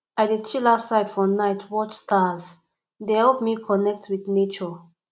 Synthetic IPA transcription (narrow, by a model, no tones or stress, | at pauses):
adit͡ʃilaʊtsaɪd̥fɔnaɪtʰwɔt͡ʃstaz | dehɛlpmikʰɔnɛk̚tʰwiθnet͡ʃɔ